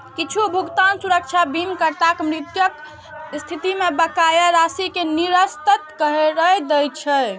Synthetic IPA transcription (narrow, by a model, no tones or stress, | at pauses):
kit͡ʃʰubʱuɡt̪ansuɾək̚t͡ʃʰabimkəɾt̪akmɾit̪jək | st̪ʰit̪imebəkajəɾasikeniɾəst̪ət̪kəɦeɾəd̪ɛjt͡ʃʰɛ